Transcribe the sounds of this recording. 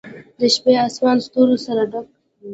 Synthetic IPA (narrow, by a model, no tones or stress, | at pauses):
d̪əʃpeɑsmɑːnst̪uɾosaɾaɖak